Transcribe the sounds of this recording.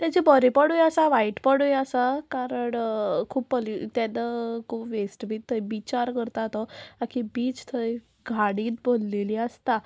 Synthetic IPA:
t̪jat͡ɕibəɾipəɽujəsaʋaiʈpəɽujəsakaɾəɳkʰuːpːəlit̪anəkʰuːpʋesʈbit̪ʰːəjbit͡ɕaɾkəɾt̪at̪ɔakʰibiːt͡st̪ʰəj | ɡʱaɽiːt̪̚bolleliəst̪a

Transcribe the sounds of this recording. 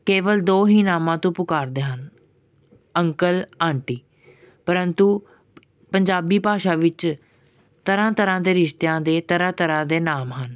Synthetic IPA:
keːʋəld̪oːɦiːnaːmãːt̪õːpʊkaːɾd̪eːɦən | əŋkəlãːɳʈiː | pəɾənt̪uː | pəɲd͡ʒaːbiːpaːʃaːʋɪt͡ʃ | t̪əɾãːt̪əɾãːd̪eːɾɪʃt̪ejãːd̪eːt̪əɾãːt̪əɾãːd̪eːnaːmɦən

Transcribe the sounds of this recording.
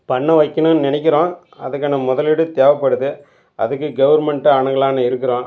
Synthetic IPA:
pɐɳːɐʋɐɪkːɐnɯnɪnɛɪk̬ʲːɪɾõː | ɐðɯkːaːnɐmʊðɐlɪɽɯt̪eːʋɐpːɐɽɯðɯ | ʔɐðɯkːɯɡɐʋɐɾmɛɳʈɯaɳɐɡɐɭaːnɐɪɾɯkːɪɾõː

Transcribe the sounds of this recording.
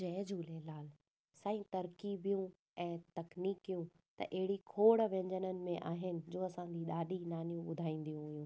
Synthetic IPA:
ɐːɦd͡ʑʱuːleːlaːl | saːĩt̪ɐɾkibijũ | ɛ̃ːt̪ɐkniːkijũ | t̪ɐ̰ʔɐɦɪɽikʰoːɽʋẽːɲd͡ʑənənɪ̆mẽʔaːɦɪnɪ̆d͡ʑoːɐsãːɲd͡ʑiɗaːɗinaːnijũɓʊd̪ʱaːĩːn̆d̪ijũɦʊjũː

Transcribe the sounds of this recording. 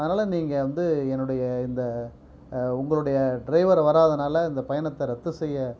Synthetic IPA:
ɐðɐnaːlɐniːŋɡɐʋɐnd̪ɯɛnːɯɽɐjɐɪnd̪ɐ | ʊŋɡɐɭɯɽɐjɐɖɾɐɪʋɐɾʋɐɾaːðɐnaːlɐɪnd̪ɐpɐjɐnɐt̪ːɐɾɐt̪ːɯsɛjːɐ

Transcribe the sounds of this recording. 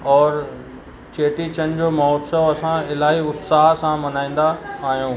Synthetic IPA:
ɔːɾ | t͡ɕeːʈit͡ɕənɪ̆d͡ʑoːmɐɦɔːt̪səʋɐsãɪlaːɦiʊt̪saːɦsãmɐnaːĩːn̆d̪aːɦijũː

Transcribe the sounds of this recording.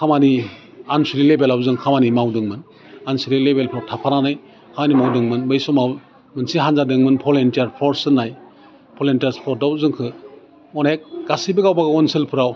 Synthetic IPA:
kʰamani | ansiɾilebelawzɯŋkʰamanimawdɯŋmɯn | ansiɾilebelpʰɔɾ̚tʰapʰaɾanaj | kʰamanimawdɯŋmɯnbɯjsɔmaw | mɯnsiɦanzadɯŋmɯnpʰɔlentijaɾpʰɔɾsɯnaj | pʰɔlentaspʰɔɾ̚dawzɯŋkʰɯ | ɔnek̚ɡasibɯɡawbaɡaɔnsɯlpʰɯɾaw

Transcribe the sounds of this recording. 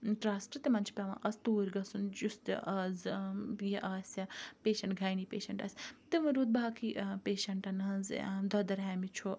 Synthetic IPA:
ʈɾaːsʈt̪emɐnt͡ʃʰpʲɐʋã̰ːʔɐst̪uːɾʲɡɐsund͡ʒust̪ʔɐzjeʔɐːsʲɐpeːʃɐɳʈɡʱaːjniːpeːʃɐɳʈɐ̰sʲt̪ɨʋɨ̃ɾuːd̪̚baakʰiʔpeːʃɐɳʈɐnɐnzd̪ɐd̪ɐɾɦɛːmit͡ʃʰo

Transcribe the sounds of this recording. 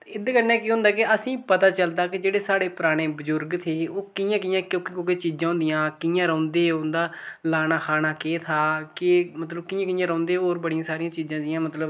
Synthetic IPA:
ɪd̪kənɛːkiːɦʊ̃ːnd̪aːkɪəsĩːpət̪aːt͡ʃəld̪aːkɪd͡ʒeːɽeːsaːɽeːpəɾaːɽ̃eːbəzʊɾɡt̪ʰeːoːkɪjãːk̬iːãːkjõːkikõːket͡ʃiːd͡ʒãːɦʊ̃nd̪ijãːkɪjãːɾə̃ːnd̪eːʊnd̪aːlaːnaːkʰaːɽaːkeːt̪ʰaːkɪmət̪ləb̚kɪːjãːkɪjãːɾə̃ːnd̪eːoːɾbəɽijãːsaːɾijãːt͡ʃiːzãːd̪ɪjãːmət̪ləb

